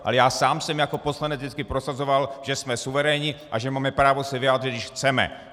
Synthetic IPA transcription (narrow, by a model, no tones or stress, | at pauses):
ʔa̰lɛjaːsaːmsɛmjako̞po̞slanɛd͡zdɪt͡skɪpɾosazovalʒ̥ɛsmɛsuvɛɾɛɲɪʔaʒɛmaːmɛpɾaːvosɛvɪjaːd̪rɪd̪̚dɪʃxt͡sɛmɛ̰